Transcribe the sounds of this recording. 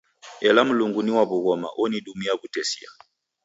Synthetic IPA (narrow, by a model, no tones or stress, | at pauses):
ɛlam̩luŋɡuniwaβuɣɔma̰ʔɔniɗumiaβutɛsia̰